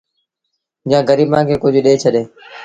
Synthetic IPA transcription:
jãːɡəɾiːbãːkʰeːkʊd͡ʑʱɗeːt͡ʃʰəɗeː

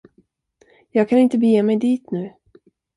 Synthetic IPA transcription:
jɑːɡ̚kʰanɪnt̪əbjeːmɛjd̪iːt̪nʉ̟ː

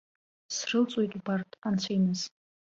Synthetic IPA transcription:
srɨlt͡sʷʼojtʼbartʼant͡sʷʰajmɨz

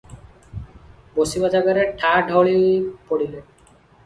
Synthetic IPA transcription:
bosibad͡ʒaɡaɾeʈʰaɖʱɔɭipoɽile

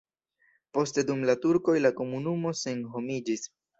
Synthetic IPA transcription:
po̞ste̞dumlatuɾko̞jlako̞munumo̞se̞nɦo̞mid͡ʒis

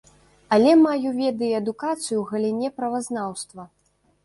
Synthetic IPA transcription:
ɐlʲɛmajuvʲɛd̪ɨjɛɐd̪ukat̪sɨjuwɣɐlʲinʲɛpɾɐvaznawst̪vɐ

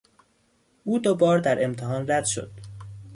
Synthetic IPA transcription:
ʔuːd̪obɒːɾd̪æɾʔe̞mt̪ʰeɦɒːnræd̪̥ʃo̰d̪̥

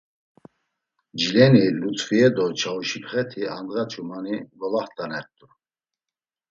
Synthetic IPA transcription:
d͡ʒilɛnilut͡sʼviɛd̪ɔt͡ʃʰauʃipʰχɛt̪ʰiand̪ɣat͡ʃʰumanivɔlaχt̪ʼanɛɾt̪ʼu

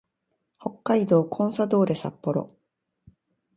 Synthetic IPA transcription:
ho̞kːaid̪o̞ːkʰõ̞ɰ̃sad̪o̞ːɾe̞sa̰pːo̞ɾo̞̰

